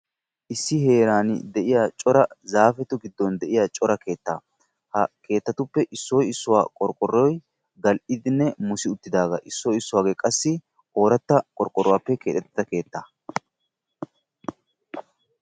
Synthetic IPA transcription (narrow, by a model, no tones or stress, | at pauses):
ʔɪsːɪhe̞ːɾaːnɪ̰d̪ɛʔɪjaːt͡ʃʼɔɾɐzaːfɛt̪ʊɡɪd̪ːɔnd̪ɛʔɪjat͡ʃʼɔɾɐke̞ːt̪ːa̰ː | hɐkʰe̞ːt̪ːɐt̪ʊpːɛʔɪsːɔjɪsːʊwa̰ːkʼɔɾkʼɔrːɔj | ɡɐlʔɪd̪ɪnːɛmʊsɪʊt̪ːɪd̪aːɡɐʔɪsːɔjɪsːʊwaːɡeːkʼɐsːɪ | o̞ːɾɐt̪ːɐkʼɔɾkʼːɔɾʊwaːpːɛkeːt̪ʼɛt̪ːɪd̪ɐke̞ːt̪ːaː